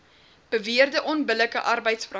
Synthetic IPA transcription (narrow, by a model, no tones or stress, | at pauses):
b̥əviərdəʔɔnbələkəʔɐrbəjtsfrɐ